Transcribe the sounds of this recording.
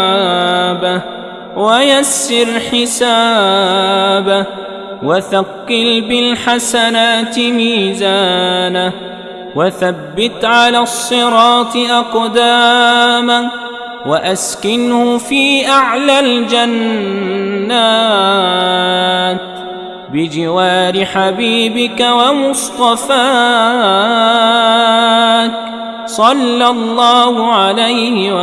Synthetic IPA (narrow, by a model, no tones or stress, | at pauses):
ba | wajasːɪɾħɪsaː | ba | waθɑqːɨlbɪlħasanaːt̪ɪmiːzaːnah | waθabːɪt̪ʕalaːsˤːɨɾˤɑːt̪ʔɑqd̪aːma | waʔaskɪnhʊfiːʔaʕlald͡ʒanː | aː | t̪ | bɪd͡ʒɪwaːɾɪħabiːbɪkawamʊst̪ˤɑfaː | t̪ | sˤɑlːalˤːɑːhʊʕalajhɪw